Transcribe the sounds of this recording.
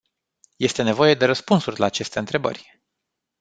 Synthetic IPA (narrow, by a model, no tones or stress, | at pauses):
je̞st̪e̞ne̞vo̞je̞d̪e̞ɾəspunsurʲlaːt͡ʃe̞st̪eɨnt̪ɾe̞bə̰rʲ